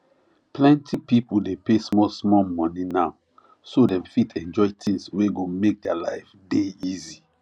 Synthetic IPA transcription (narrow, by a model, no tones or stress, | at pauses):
plɛ̃ntʰipipudepesmɔlsmɔlmɔ̃ninaʊ | sodɛ̃mfitʰɛ̃nd͡ʒɔɪtʰĩŋsweɡomek̚dɛalaɪfdeizi